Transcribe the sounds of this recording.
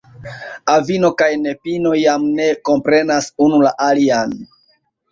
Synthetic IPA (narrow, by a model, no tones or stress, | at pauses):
avino̞kajne̞pino̞jamne̞ko̞mpɾe̞nasunula̰ʔalian